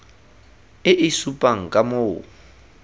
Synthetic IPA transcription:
ɪʔɪsupʼaŋ̩kʼamo

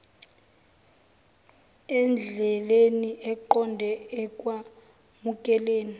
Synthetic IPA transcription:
ɛnd͡ɮʱɛleniʔɛǃɔndʱɛɛkʼwa | mukʼɛleːni

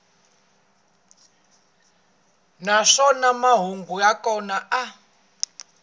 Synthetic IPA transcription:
naʂɔnamaɦuŋɡujakɔnaʔa

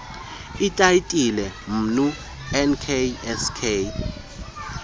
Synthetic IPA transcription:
itʼaitʼilɛm̩nu | ɛnkʰeɛskʰeː

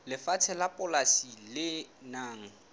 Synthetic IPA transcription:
lɪfat͡sʰɛlapʼʊlasilɪnaːŋ̩

